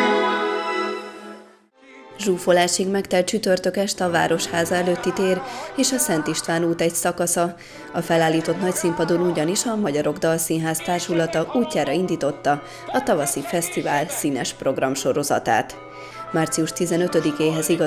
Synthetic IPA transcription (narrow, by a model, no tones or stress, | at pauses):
ʒuːfo̞laːʃiɡmɛkt̪ɛlt͡ʃyt̪ø̞rt̪økɛʃt̪ɒva̰ːɾo̞ʃhaːzɒɛløːt̪ːit̪eːreːʃɒsɛnt̪iʃt̪ʋaːnuːt̪ɛcsɒkɒsɒ | ɒfɛlaːlːiːt̪o̞t̪nɒcsimpɒd̪onuɟɒniʃɒmɒɟɒɾo̞ɡd̪ɒlsinɦaːst̪aːrʃulɒt̪ɒʔuːcːaːɾɒind̪iːt̪o̞t̪ːɒ | ɒt̪ɒvɒsifɛst̪ivaːlsiːnɛʃpro̞ɡrɒmʃo̞ɾo̞zɒ̰t̪a̰ːt̪ | maːrt̪siuʃt̪izɛnø̞t̪ø̞d̪ikeːɦɛziɡɒ